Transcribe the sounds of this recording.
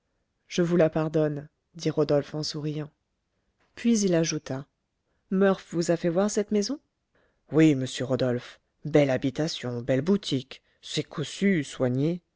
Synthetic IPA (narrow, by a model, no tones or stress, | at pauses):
ʒ̥əvulapaʁd̪ɔn | d̪iʁɔd̪ɔlfɑ̃suʁijɑ̃ | pɥizilaʒut̪a | mœʁfvuzafɛvwaʁsɛt̪mezɔ̃ | wiməsjøʁɔd̪ɔlf | bɛlabit̪asjɔ̃bɛlbut̪ʰik | sɛkʰɔsyswaɲe